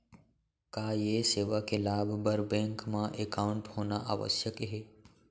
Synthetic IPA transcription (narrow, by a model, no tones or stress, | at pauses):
kajeseːʋakelaːbʱbəɾbẽŋkmãʔekaʊɳʈhonaʔa̰ːʋə̰sjəkɦe